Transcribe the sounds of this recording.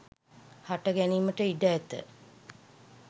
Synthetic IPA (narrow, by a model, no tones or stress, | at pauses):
haʈəɡæniːməʈəiɖæːt̪ə̰